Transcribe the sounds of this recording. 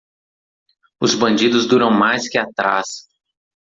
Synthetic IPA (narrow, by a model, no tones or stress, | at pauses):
ʊzbɐ̃nd͡ʒid̪ʊzd̪uɾɐ̃w̃majskɪat̪ɾa̰s